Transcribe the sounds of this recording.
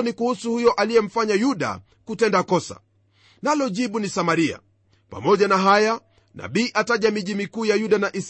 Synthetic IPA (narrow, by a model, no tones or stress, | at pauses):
nikuhusuhujɔʔalijɛm̩faɲajuɗa̰ | kutɛndakɔsa̰ | nalɔʄiɓunisamaɾia̰ | pa̰mɔʄanaɦaja | nʔa̰ɓiːʔataʄamiʄimikuːjajuɗanaʔis